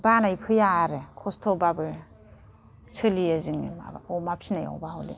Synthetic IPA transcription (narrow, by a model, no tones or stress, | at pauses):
banajpʰɯjaːɾekʰɔstʰobabɯ | t͡ʃʰɯliaziŋnḭma̰bɔmap̚sinaja̰wbaholḭ